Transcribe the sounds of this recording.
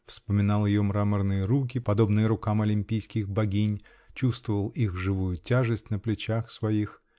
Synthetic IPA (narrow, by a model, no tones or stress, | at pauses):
fspəmʲɪnɑlˠjɪjomɾamərnɨjəɾuk̬ʲɪpɐd̪o̞bnɨjəɾʊkamɐlʲɪmʲpʲijskʲɪxbɐɡʲinʲ | t͡ɕust̪vəvəlˠixʐɨvujʊtʲaʐɨsʲtʲnəplʲɪt͡ɕaxsvɐix